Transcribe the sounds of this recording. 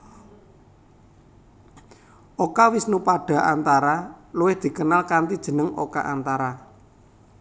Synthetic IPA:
ʔokawisnupaɖ̥a̤ʔant̪aɾaluwɪhd̪̥i̤kənalkant̪id̥ʒ̥ə̤nəŋo̰ka̰ʔant̪aɾa

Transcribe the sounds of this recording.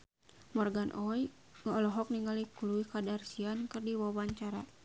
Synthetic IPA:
mɔrɡanʔɔj | ŋɔlɔɦɔk̚niŋalikuluikadarsiankɨrdiwawaɲt͡ʃaɾa̰

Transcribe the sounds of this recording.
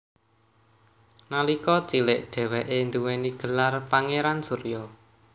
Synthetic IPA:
nalikɔt͡ʃilɪʔɖ̪̥ɛ̤wɛʔend̪uweniɡ̥ə̤larpaŋeɾansuɾjɔ

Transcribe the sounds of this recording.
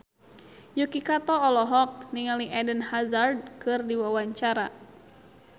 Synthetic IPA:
jukikat̪ɔɔlɔɦɔk̚niŋaliʔɛdənhazard̚kɨrdiwawaɲt͡ʃaɾa

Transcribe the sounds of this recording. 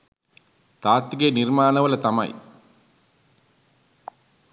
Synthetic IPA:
t̪aːt̪ːiɡenirmaːnəʋəlɐt̪amɐ̰j

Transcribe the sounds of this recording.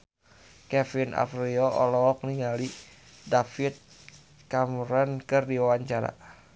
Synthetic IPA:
kɛfinʔa̰fɾiɔʔɔlɔɔk̚niŋali | dafit̪̚ | kamɾɔnkɨrdiwawaɲt͡ʃaɾa̰

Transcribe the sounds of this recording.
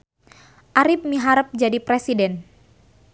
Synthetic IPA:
ʔaɾɪp̚miɦaɾəp̚d͡ʒadipɾesidɛn

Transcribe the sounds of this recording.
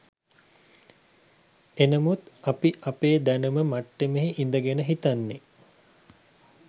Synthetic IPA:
enəmut̪apiʔapeːd̪ænuməmaʈːemeɦiʔind̪əɡenəɦit̪anːe

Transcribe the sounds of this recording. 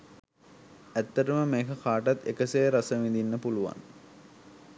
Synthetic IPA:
æt̪ːəʈəməmeːkəkʰaːʈat̪ekəsejɾasəʋind̪inːəpuluʋa̰n

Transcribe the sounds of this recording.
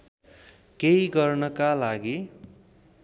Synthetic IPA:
kejiɡʌrnʌkalaɡi

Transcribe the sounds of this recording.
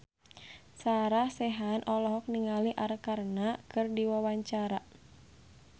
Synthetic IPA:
saɾahsɛɦanʔɔlɔɦɔk̚niŋaliʔaɾkarnakɨrdiwawaɲt͡ʃaɾa

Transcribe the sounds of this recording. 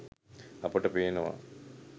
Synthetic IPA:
ɐpəʈəpenəʋa̰

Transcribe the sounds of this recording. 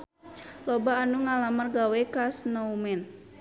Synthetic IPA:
lɔbaːnuŋalamərɡawɛkasnoumɛn

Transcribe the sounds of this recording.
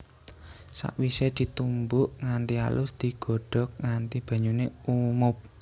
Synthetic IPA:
sa̰ʔwised̪̥i̤t̪umbʊʔŋant̪ia̰lʊsd̪̥i̤ɡ̥ɔ̤ɖ̥ɔ̤k̚ŋant̪ib̥ä̤ɲuneumʊp̚

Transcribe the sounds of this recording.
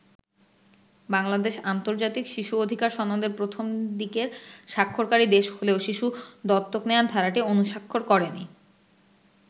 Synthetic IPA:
baŋlad̪eʃant̪oɾd͡ʑat̪ikʃiʃuod̪ʱikaɾʃɔnːod̪eɾpɾot̪ʰomd̪ikeɾʃakʰːoɾkaɾid̪eʃholeoʃiʃud̪ɔt̪ːokneand̪ʱaɾaʈionuʃakʰːoɾkɔɾeni

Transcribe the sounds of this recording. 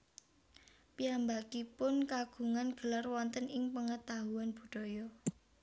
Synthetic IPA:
piambakipʊnkaɡ̥ṳŋanɡ̥ə̤larwɔnt̪ənɪŋpəŋət̪aɦuanb̥ṳɖ̥ɔ̤jɔ

